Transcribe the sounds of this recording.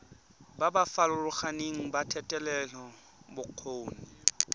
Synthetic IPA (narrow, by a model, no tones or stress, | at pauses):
babafalʊlʊχaneŋ̩batʰɛtʼɛlɛlɔ | bʊq͡χʰoːnɛ